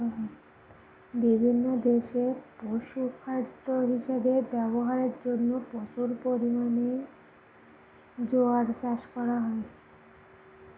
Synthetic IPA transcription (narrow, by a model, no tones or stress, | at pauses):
bibʱinːod̪eʃepoʃukʰaɾd̪oɦiʃabebɛboɦaɾeɾd͡ʒonːoposuɾpoɾimane | d͡ʒoaɾsaʃkɔɾaɦɔe